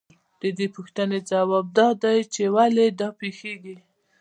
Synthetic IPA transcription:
d̪̥əd̪epʊxt̪əned͡zawɑb̚d̪ɑd̪ajt͡ʃewaled̪ɑpexeɡi

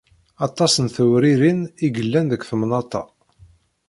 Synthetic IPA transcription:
ɑt̪ˤːɑsənθəwɾiɾiniɡəlːænðəkʷːθəmnɑt̪ˤɑ̰

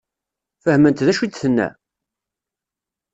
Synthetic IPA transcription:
fəhmənt̪ðæʃid̪θənːæ̰

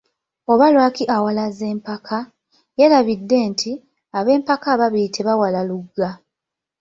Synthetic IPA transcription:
o̞βalwaːkiʔawalaze̞ːmpakʰa | je̞laβidːe̞ːntʰi | aβe̞ːmpakaβaβiːtʰe̞βawalaluɡːa

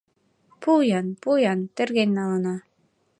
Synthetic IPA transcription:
pujɑnpujɑnt̪ĕrɣenʲːɑlɤnɑ

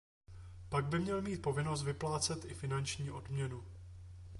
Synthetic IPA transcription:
paɡ̚bɪmɲɛlmiːt̪̚po̞vɪno̞st̪vɪplaːt͡sɛt̪ʔɪfɪnant͡ʃɲiːʔo̞dmɲɛnu

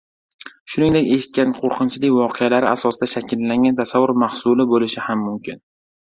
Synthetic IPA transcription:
ʃʊnɪŋd̪ekʲe̞ʃɪ̥t̪̚kʲanqʰoɾqʰɨnt͡ʃʰɪlɪkʲvɒqʰealaɾɪʔasɒsɪd̪aʃakʲʰɪlːaŋʲɡʲant̪ʰasavːʊɾmahsʊlɪbolɪʃɪhamːʊmkʲʰɪ̰n

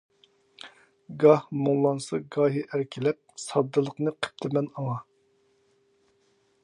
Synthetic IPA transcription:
ɡɑhmuŋlˠɑnsɑɡɑːɦiʔæɾkʲʰilɛp̚sɑd̪ːɨlˠəqnɨqʰə̥p̚t̪ʰɪmɛnɑŋɑ

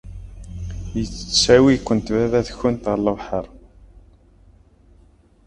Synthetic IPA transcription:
jət͡sːt͡sːsæwikʷːənt̪væðæθçʊnt̪ʁəɾləvħəɾˤ

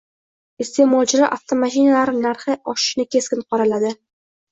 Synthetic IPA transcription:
ɪst̪ʰe̞mɒld͡ʒɪɾaʔaft̪ʰomaʃinalaɾnaɾχɪʔɒʃɪ̥ʃnɪkʲʰe̞skʲɪnqʰɒɾalad̪ɪ

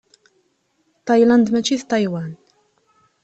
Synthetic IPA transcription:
t̪ɑjland̪mæt͡ʃiθt̪ɑjwæn

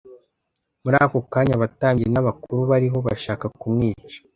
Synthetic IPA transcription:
muɾaːko̞kaːɲaβataːmɟienaβakuɾuβaɾiɦo̞βa̰ʃaːkakumŋiːt͡ʃḁ

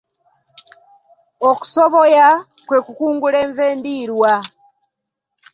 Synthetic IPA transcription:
oku̥soβo̞ja | kwe̞ːkukuːŋɡule̞ːɱve̞ːndiːɾwa

